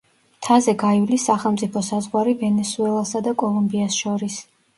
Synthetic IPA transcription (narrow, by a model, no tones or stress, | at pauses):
t̪ʰazɛɡaivlisːaχɛlˠmt̪sʼipʰɔsazʁwaɾivɛnɛsuɛlˠasad̪akʼɔlˠumbiasʃɔɾis